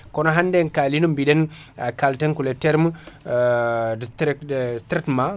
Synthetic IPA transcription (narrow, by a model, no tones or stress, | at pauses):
kɔnɔɦandɛnkalinumbiɗɛn | akaltɛnkulɛtɛɾm | tɾɛktɾɛtma